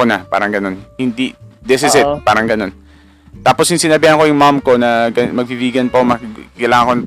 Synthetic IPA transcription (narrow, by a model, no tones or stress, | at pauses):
onɐpa̰ːɾɐŋɡɐno̞nhɪnd̪id̪ɛsɪsɪt̪̚paːɾɐŋɡɐno̞n | t̪aːposjʊŋsɪnɐbɪhɐŋko̞jʊŋmamko̞nɐɡɐmɐɡ̚bibiːɡɐnpɐmɐɐlaːŋɐŋkon